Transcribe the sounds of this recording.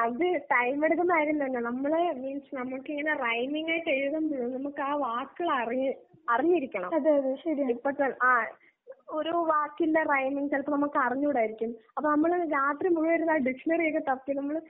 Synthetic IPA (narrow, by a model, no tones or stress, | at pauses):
ɐðɨʈɐjmeɽukːɐmaːjiɾunːɐenːɐnɐmːɐɭeʋinsnɐmːuɭkːɨiŋːɐne̞rɐjmiŋɡaːjiʈːejʋɐðɐmbuɭunɐmukːɨaːʋaːkːɐɭɐriɨɐriɲːiɾikʲːɐɳɐ̰mɐðɨɐðɨʂɐɾijaipːɐʈːɐɐɭʔaː | oɾuʋaːkːinderɐjmiŋɡsilɐp̪ːonɐmukːɨɐriɲːuːɽaːjiɾikʲːumːɐpːoːnɐmːɐɭɾaːt̪rimuɻuʋɐjɾunːaːɖiʂɐnɐrikːɐt̪ɐpkːɨnɐmːɐɭ